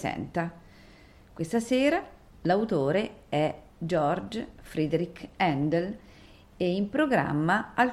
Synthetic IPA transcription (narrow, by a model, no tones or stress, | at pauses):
sɛ̰nt̪a | kwest̪aseːɾa | lawt̪oːɾeɛ | d͡ʒɔrd͡ʒfɾid̪eɾikɛnd̪el | ɛimpɾoɡɾa̰mːaal